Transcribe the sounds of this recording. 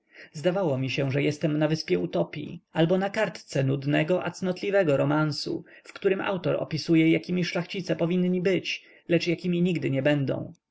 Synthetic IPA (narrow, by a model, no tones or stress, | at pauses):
zd̪avawɔmʲiɕɛ̃ʐɛjɛst̪ɛmnavɘspʲjɛut̪ɔpʲḭalbɔnakaɾt̪t̪sɛnud̪nɛɡɔʔa̰t̪snɔt̪lʲivɛɡɔɾɔmansṵ | fkt̪uɾɘmʔa̰wt̪ɔɾɔ̰pʲisujɛjakʲimʲiʂlaxt͡ɕit̪sɛpɔvʲinɲibɘt͡ɕ | lɛt͡ʂjakʲimʲiɲiɡd̪ɘɲɛbɛnd̪ɔ̰̃w̃